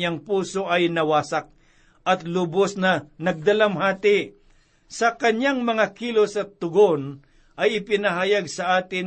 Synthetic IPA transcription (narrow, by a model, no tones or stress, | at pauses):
aŋpuːsoʔɐjnɐwaːsak̚ | ʔɐt̪lʊbosnɐnɐɡ̚d̪ɐlamhaːt̪ɪ | sɐkɐnjaŋmɐŋakilosɐt̪ːʊɡon | ʔɐjɪpɪnɐɦaːjaɡsɐʔaːt̪ɪn